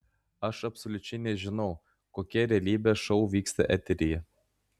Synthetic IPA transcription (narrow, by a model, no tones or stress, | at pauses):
ɐʃɐpsolʲʊt͡ʃʲɛɪnʲɛʒʲɪnɐʊ | koːkʲɛɾʲɛɐlʲiːbʲɛʃoʊʋʲiːkst̪ɐ̰ʔæt̪ʲeɾʲijɛ